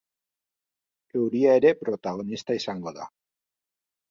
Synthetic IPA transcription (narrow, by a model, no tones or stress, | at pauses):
e̞wɾiae̞ɾe̞pɾo̞t̪aɣ̞o̞nist̪aisaŋɡo̞ða